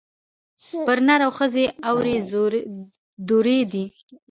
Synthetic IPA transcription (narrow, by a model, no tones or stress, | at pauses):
pəɾnaɾawxəzeawɾe | d̪uɾed̪i